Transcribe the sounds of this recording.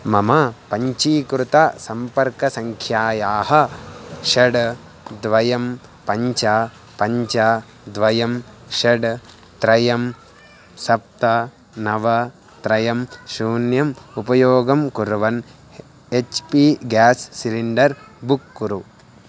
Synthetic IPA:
mɐmɐpɐɲt͡ʃiːkɾut̪ɐsɐmpɐɾkɐsɐŋkʰjaːjaːɦɐʃɐɖ | d̪ʋɐjɐm | pɐɲt͡ʃɐ | pɐɲt͡ʃɐ | d̪ʋɐjɐmʃɐɖ | t̪ɾɐjɐm | sɐp̚t̪ɐ | nɐʋɐ | t̪ɾɐjɐmʃuːnjɐmupɐjoːɡɐmkuɾʋɐn | et͡ʃpiɡaːsːiliɳɖɐɾ | bukːuɾu

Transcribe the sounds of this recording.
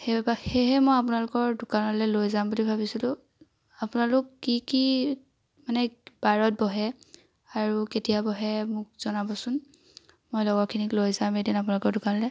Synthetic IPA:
hebbaxeɦɛmɔjap̬ʊnalʊkɔɹdʊkanɔlɛlojzambudibʱabisilʊ̃ | apʊnalʊkːiki | manɛb̥aɹɔt̚bɔɦɛ | aɹuketijabɔɦɛmʊk̚z̥ɔnabɔsʊn | mojlɔɡɔɹkʰiniklojzamejdinap̬ʊnalʊkɔɹdʊkanɔlɛ

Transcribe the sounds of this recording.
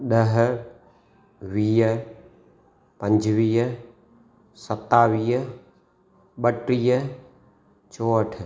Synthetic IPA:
ɗəɦ | ʋiː | pə̃ɲd͡ʒʋiːɦə | sət̪ːaːʋiːɦ | ɓəʈɾiːə | t͡ʃoːəʈʰ

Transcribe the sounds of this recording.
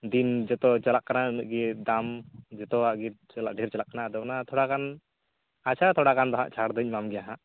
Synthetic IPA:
d̪ind͡ʒɛt̪ɔt͡ʃalaʔkananɡid̪amd͡ʒɛt̪ɔaʔɡit͡ʃalaʔɖʱiɾt͡ʃalaʔkanad̪ɔnat̪ʰɔɽakan | at͡ʃʰat̪ʰɔɽakand̪ɔɦã̰ʔt͡ʃʰaɾd̪ɔc̚ˀmamɡɛjaɦaʔ

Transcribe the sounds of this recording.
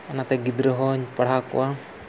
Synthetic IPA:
anat̪aɡid̪ɾəɦɔɲpaɽɦakwa

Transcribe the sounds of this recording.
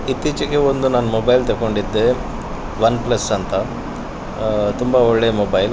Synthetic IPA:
it̪ːiːt͡ʃɐkeond̪unaːnmobɐjlt̪ɐkoɳɖid̪ːe | ʋɐnplɐsːɐnt̪ɐ | t̪umbaoɭːemobɐjl

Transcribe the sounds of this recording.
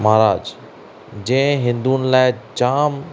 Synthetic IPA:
maɦɾaːd͡ʑ | d͡ʑɐ̃ɪ̃ɦɪ̃nd̪unɪ̆laːɪt͡ɕaːm

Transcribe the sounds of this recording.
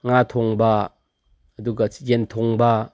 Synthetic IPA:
ŋat̪ʰɔŋba | ɐd̪uɡajent̪ʰɔŋba

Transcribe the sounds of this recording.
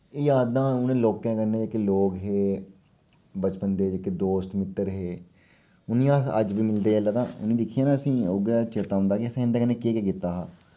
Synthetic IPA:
ɪjaːd̪ãːʊnẽːloːkɛ̃ːkəneːɪkloːɡɦeː | bət͡ʃpənd̪eːɪked̪oːst̪mɪt̪ːəɾɦeː | ʊnĩːaə̰d͡ʒʋiːmɪld̪eːlaːt̪ãːʊ̰nĩːd̪ɪkʰːijãːnãəsĩːoːɡaːt͡ʃeːt̪ːaːʊ̃ːnd̪aːkɪəsĩːɪ̃nd̪aːkənːeːkeːkekɪt̪ːaːɦaː

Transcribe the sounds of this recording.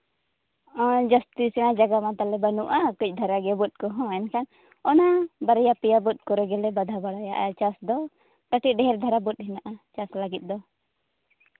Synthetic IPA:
ãd͡ʒast̪isɛnad͡ʒaɡamat̪alɛbanuʔakuc̚ˀd̪ʱaɾaɡɛbut̪̚kɔɦɔ̃ɛnkʰan | ɔnabaɾjapijabut̪̚ˀkɔɾɛɡɛlɛbad̪ʱabaɽajaʔat͡ʃasd̪ɔ | kəʈiɖɛɦɛɾd̪ʱaɾabut̪̚ɦɛnaʔat͡ʃasləɡit̪̚ˀd̪ɔ

